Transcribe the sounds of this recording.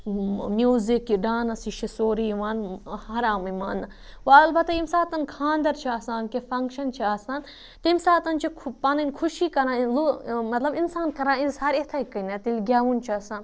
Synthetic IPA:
mʲjuːzikiɖaːnɐsiʃisoːɾijʋaːnhɐɾaːmɐmaːnːɐ | ʋɐɐlbɐt̪aimsaːt̪ɐnkʰãːnd̪ɐɾt͡ʃʰiaːsaːnkefɐŋkʃɐnt͡ʃʰiaːsãːn | t̪ɐimsaːt̪ɐnt͡ʃʰipɐnɐnkʰuʃiːkɐɾãːlomɐt̪lɐbinsaːnkɐɾãːizɐɾet̪ʰɐikːɐnɐt̪ilɡʲaːʋunt͡ʃʰiɐsãːn

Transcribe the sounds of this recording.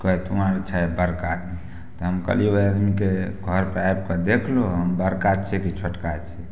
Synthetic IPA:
kɔɦɛt̪umaɾt͡ʃʰajbəɾkad̪ni | t̪ɔɦəmkə̰libəad̪mikeɡʱəɾpɾajb̚kɔd̪ekʰloɦəmbəɾkat͡ʃʰɛkit͡ʃʰəʈkat͡ʃʰɛ

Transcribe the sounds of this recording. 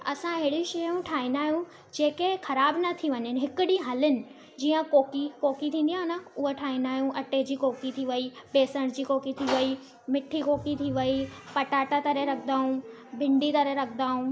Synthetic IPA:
ɐ̰sãɪɪɪɽiʃɐũʈʰaːɦĩnd̪aːɦijũ | d͡ʑeːkexɐɾaːbnɐt̪ʰiʋɐɲənɪ̆ɦɪkʊɗĩɦɐlɪnɪ̆ | d͡ʑiːə̃koːkikoːkit̪ʰĩːn̆d̪iãɦnaʊɦeʈʰaːɦĩnd̪aːɦijũʔɐʈed͡ʑiːkoːkit̪ʰiʋɐibeːsəɽ̃d͡ʑiːkoːkit̪ʰiʋɐi | mɪʈʰikoːkit̪ʰiʋɐipɐʈaːʈat̪ɐɾeɾɐkʰə̃d̪aːɦũ | bʱɪ̃ɳɖit̪ɐɾeɾɐkʰn̆d̪aːɦũ

